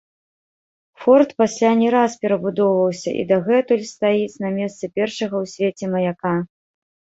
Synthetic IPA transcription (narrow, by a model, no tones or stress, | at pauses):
fɔrt̪pasʲlʲanʲɛɾaspʲɛɾɐbud̪ɔwvɐwsʲɐ̰ʔḭd̪ɐɣɛt̪ulʲst̪ajisʲnɐmʲɛst̪sɨpʲɛrʂɐɣɐwsʲvʲet͡sʲɛmɐjaka